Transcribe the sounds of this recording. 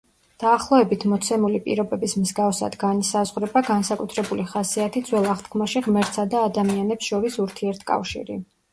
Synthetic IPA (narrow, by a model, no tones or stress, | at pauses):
d̪̥aːχlˠɔɛbit̪ʰmɔt̪sʰɛmulipʼḭɾɔbɛbismizɡaɔsa̰d̪ɡanisazʁɾɛbaɡansakʼut̪ʰɾɛbuliχasiat̪ʰid̪zwɛlˠaχt̪kʰmaʃiʁmɛɾt̪sad̪aːd̪amianɛpsʃɔɾisuɾt̪ʰiɛɾt̪ʰkʼa̰fʃḭɾḭ